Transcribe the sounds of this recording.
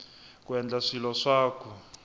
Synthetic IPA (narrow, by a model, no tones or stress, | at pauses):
kwɛnd͡ɮaʂilɔʂaːkʰɔ